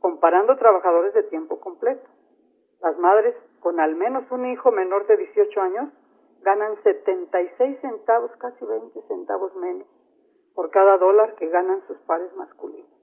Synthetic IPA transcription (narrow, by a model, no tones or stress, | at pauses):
ko̞mpaɾand̪ot̪ɾaβaxaðo̞ɾe̞zðet̪je̞mpo̞ko̞mple̞t̪o̥ | lazmaðɾe̞sko̞nalmẽno̞sunixo̞me̞no̞ɾðeðje̞sjo̞t͡ʃo̞aɲos | ɡananse̞t̪e̞nt̪ajsejsːe̞nt̪aβo̞skasiβejnt̪esent̪a̰βo̞zmẽ̞no̞s | po̞ɾkaðaðo̞laɾke̞ɣanansuspaɾe̞zmaskulḭnos